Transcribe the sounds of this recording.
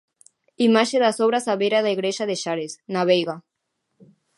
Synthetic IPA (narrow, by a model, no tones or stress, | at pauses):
imaʃeðasoβɾasaβeɾaðaiɣɾeʃaðeʃaɾesnaβejɣa